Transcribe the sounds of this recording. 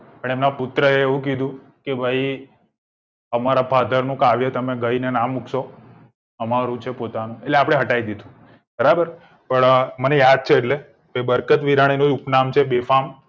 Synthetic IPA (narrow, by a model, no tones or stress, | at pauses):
pəɳemnapʊt̪ːɾəeːʋũk̬id̪ʱũ | kebʱai | əmaɾapʰad̪ʱəɾnũkaʋjət̪əmeɡəinenamukso | əmaɾũt͡ʃʰepot̪anũeʈleapɽeɦəʈaid̪id̪ʱũ | bəɾabəɾ | pəɳmənejad̪̚t͡ʃʰeːʈle | bebəɾkət̪ʋiɾaɽ̃inod͡ʒupnamt͡ʃʰebefam